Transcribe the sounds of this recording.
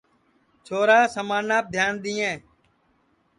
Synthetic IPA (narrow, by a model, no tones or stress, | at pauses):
t͡ʃʰoːɾaːsəmaːnaːp̚d̪ʱjaːnd̪ĩːẽː